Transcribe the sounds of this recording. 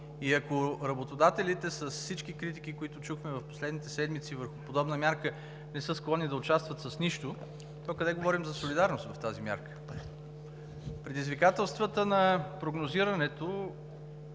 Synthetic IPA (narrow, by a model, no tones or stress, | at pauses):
iɐkoɾɐbot̪od̪at̪ɛlit̪ɛsəssit͡ʃkikɾit̪ik̟ikoit̪ʊt͡ʃuxmɛvɐfpo̥slɛd̪nit̪ɛsɛd̪mit̪sivəɾxʊpod̪ɔbnəmʲjaɾkə | nɛsɤsklˠɔnid̪ɐʊt͡ʃast̪vət̪səsniʃt̪ʊ | t̪ɔkɐd̪ɛɡovɔɾimzɐsolid̪aɾnoʊst̪vɐft̪azimʲja̰ɾkə̥ | pɾɛd̪izvikat̪ɛlˠst̪vət̪ənɐpɾoɡnoziɾɐnɛt̪o